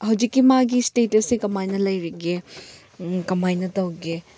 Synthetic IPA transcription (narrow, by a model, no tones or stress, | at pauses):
hɐwd͡ʒikːimaɡistetɐsekɐmajnɐlɐjɾiɡe | kɐmajnɐtɐwɡe